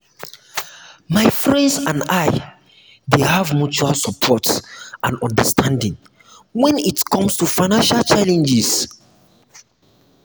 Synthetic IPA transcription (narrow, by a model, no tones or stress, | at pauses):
maɪfɹɛ̃ndsãnaɪ | dehavmut͡ʃualsɔpʰɔtʔãnɔ̰̃ndəstʰãndĩŋ | wɛ̃nitkɔ̃mstufaɪnãnʃalt͡ʃalɛ̃nd͡ʒis